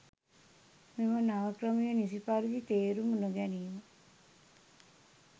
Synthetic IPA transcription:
mimɐnaʋɐkɾɐmijɐnisipaɾid̪it̪eːɾumunuɡɛnijmɐ

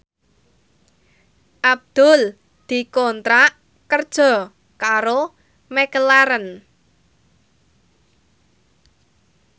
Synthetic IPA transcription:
ʔab̚d̪̥ʊ̤l | d̪̥i̤kɔnt̪ɾaʔ | kərd̥ʒ̥ɔ̤ | kaɾo | mekəlaɾən

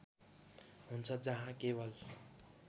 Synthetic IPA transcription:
ɦunt͡sʰʌd͡zʌɦãkebʌl

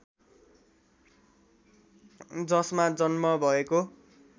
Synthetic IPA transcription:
d͡zʌsmad͡zʌnmʌbʱʌeko

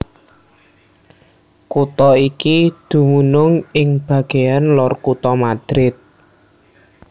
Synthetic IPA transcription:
kut̪ɔikid̪̥ṳmunʊŋɪŋb̥ä̤ɡ̥ejanlɔrkut̪ɔmad̪̥ɾɪt̪̚

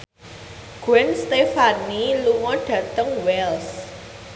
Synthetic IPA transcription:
ɡ̥wɛnst̪efaniluŋɔɖ̥ä̤t̪əŋwɛls

